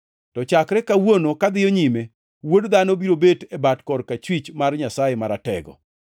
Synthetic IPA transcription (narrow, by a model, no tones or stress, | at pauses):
tɔt͡ʃakɾɛkawonokad̪ɪjoɲime | wodd̪anobiɾobetebatkɔrkat͡ʃwit͡ʃmarɲasajemaɾatɛ̰ɡɔ̰